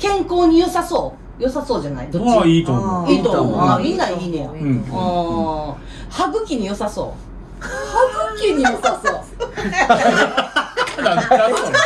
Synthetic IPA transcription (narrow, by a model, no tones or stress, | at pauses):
kẽ̞ŋkoːɲ̟ijosaso̞ː | josaso̞ːd͡ʑanaid̪oit̪oiːt̪oaiːnaiinẽjoɯ̃ | haɡɯ̟kʲiɲ̟ijo̞saso̰ː | haɡɯ̟kʲiɲ̟ijosasoː | na